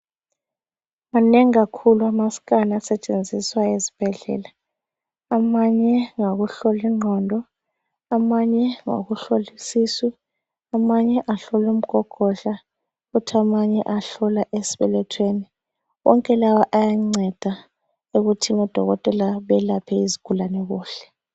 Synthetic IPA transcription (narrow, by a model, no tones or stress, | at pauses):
maneŋiɣakʰuluamaskʼanasɛt͡ʃʼend͡zʱiswaezi̥b̥ʱɛɮɛ̰ːla | amaɲɛŋoɣuɬoliŋ͡ǀʱɔndʱɔ | amaɲɛŋo̰ɣuɬolisiːsi | amaɲɛʔaɬɔlum̩ɡ̥ʰʱɔkʰʼɔɬa | ɣutʰiamaɲɛʔaɬɔlaʔesi̥βɛ̰lɛtʰweni | wɔ̰ŋkʼɛlawaʔajaŋ͡ǀʱɛd̥ʱa | uɣutʰiŋɔd̥ʱɔ̰ɣɔtʼɛlaβɛlapʰɛiziɡ̥ʱulanɛɣuːɬɛ̥